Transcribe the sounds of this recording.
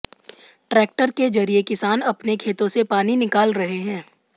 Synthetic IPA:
ʈɾɛːk̚ʈəɾked͡ʒɐɾiekɪsaːnɐpnekʰeːt̪õsepaːninɪkaːlɾɐɦeɦɛ̃ː

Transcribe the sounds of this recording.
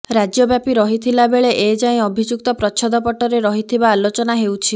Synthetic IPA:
ɾad͡ʒjɔbjapiɾɔɦit̪ʰilabeɭeʔed͡ʒaĩɔbʱid͡ʒuk̚t̪ɔpɾɔt͡ʃʰɔd̪ɔpɔʈɔɾeɾɔɦit̪ʰibaːlot͡ʃɔnaɦewt͡ʃʰi

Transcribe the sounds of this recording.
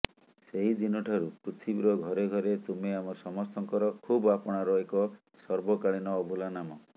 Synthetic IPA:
seɦid͡ʒinɔʈʰɔɾukutʰibiɾɔɡʱɔɾeɡʱɔɾet̪umeamɔsɔmɔst̪ɔŋkɔɾɔkʰubapɔɽ̃aɾɔekɔ | sɔɾbɔkaɭinɔːbʱulanamɔ

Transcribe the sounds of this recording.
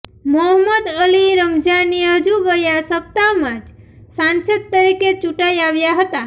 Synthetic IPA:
məɦməd̪əliɾəmd͡ʒaniəd͡ʒuɡəjasəp̚t̪amãd͡ʒ | sãnsət̪̚t̪ːəɾiket͡ʃuʈaiaʋjaɦət̪a

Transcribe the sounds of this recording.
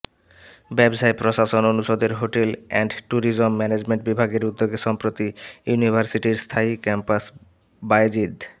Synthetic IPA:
bɛbsajpɾoʃaʃononuʃod̪eɾɦoʈelɛ̰ɳɖʈuɾid͡ʑomːɛned͡ʑmeɳʈ̚bibʱaɡeɾud̪ːoɡeʃɔmpɾot̪ijunibʱaɾsiʈiɾst̪ʰaikɛmpas | bajd͡ʑid̪

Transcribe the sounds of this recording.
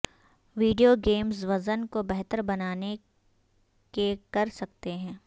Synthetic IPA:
ʋiːɖijoɡeːmzʋɐzənkobɛɦt̪əɾbɐnaːne | kekɐɾsɐk̚t̪eɦɛ̃ː

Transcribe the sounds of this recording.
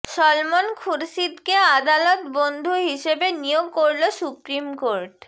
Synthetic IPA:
ʃɔlmonkʰuɾʃid̪kead̪alɔt̪bond̪ʱuɦiʃebenijoɡkoɾlosupɾimkoɾʈ

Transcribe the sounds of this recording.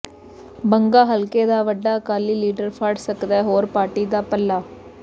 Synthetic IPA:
bəŋɡaːɦɐlkeːd̪aːʋɐɖːaːkaːliːliːɖəɾpʰaːɖsəkd̪ɛːɦoːɾpaːɾʈiːd̪aːpɐlːaː

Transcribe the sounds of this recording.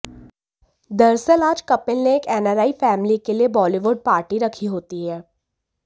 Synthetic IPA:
d̪ɐɾsəlaːd͡ʒkɐpɪlneːkɛːnɛːɾaːifɛːmlikeliebɔːliʋʊɖ̚paːɾʈiɾɐkʰiɦoːt̪iɦɛː

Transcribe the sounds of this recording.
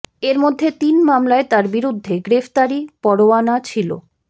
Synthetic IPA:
eɾmod̪ʱːet̪inmamlaet̪aɾbiɾud̪ʱːeɡɾeft̪aɾipɔɽoanat͡ɕʰilo̰

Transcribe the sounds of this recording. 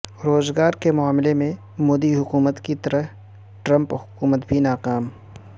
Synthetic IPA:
ɾoːzɡaːɾkemʊaːmlemẽ | moːd̪iɦʊkuːmət̪kit̪ɐɾə | ʈɾə̃mphʊkuːmət̪bʱinaːqaːm

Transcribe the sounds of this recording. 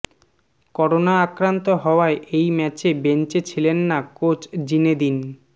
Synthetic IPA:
kɔɾonaakɾant̪oɦɔoaeʔejmɛt͡ɕebent͡ɕet͡ɕʰilenːakot͡ɕd͡ʑined̪in

